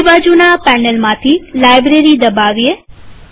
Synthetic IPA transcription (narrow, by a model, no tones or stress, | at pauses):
bad͡ʒunapɛnəlmãt̪ʰilajbɾeɾid̪əbaʋie